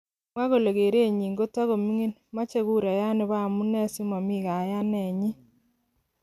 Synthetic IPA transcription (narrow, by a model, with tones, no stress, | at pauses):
mwa˦ɣo˨le˨ɣe˨ɾe˦˨ɲi˨ŋɡo˦ta˦ɣo˨mi˦ŋe˦nma˦t͡ʃe˦ɣu˦ɾa˨ja˦ne˨βa˦˨mu˦nɛ˦si˦ma˨mi˦˨ɣa˨ja˦nɛ˨ɲi˦